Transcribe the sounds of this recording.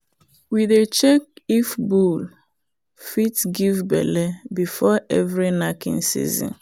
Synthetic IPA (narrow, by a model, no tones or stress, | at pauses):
wiðet͡ʃek̚ifbul | fitɡivbɛ̰lebifɔɛvɾinakḭ̃nsḭzɔ̰̃n